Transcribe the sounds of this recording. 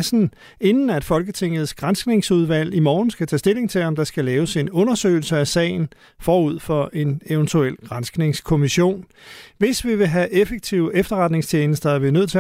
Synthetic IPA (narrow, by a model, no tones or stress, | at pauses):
sn̩ | e̝nn̩æd̥fɒ̽lɡ̥ət͡sʰe̝ŋ̰ð̞̩ˠsɡ̥ʁɑ̈nsɡ̥ne̝ŋsuð̞ˠʋæl̰imɒːn̩sɡ̥æt͡sʰɛ̰ːsd̥e̝le̝ŋt͡sʰe̝lɒ̽md̥ɑ̈sɡ̥ælɛːʊse̝nɔ̽nɐsø̰ːɪl̩səæsɛ̰ɪn̩ | fɒːuð̞̰ˠfɒ̽ʔe̝neʊnt͡sʰuel̰ɡ̥ʁɑ̈nsɡ̥ne̝ŋskʰo̝miɕo̝̰ːn | ʋe̝sʋiʋe̝ɦæʔefəɡ̥̚t͡sʰiʊefd̥ɐʁɑ̈d̥ne̝ŋst͡ɕʰeːnəsd̥ɐæɐʋinøð̰ˠt͡sʰe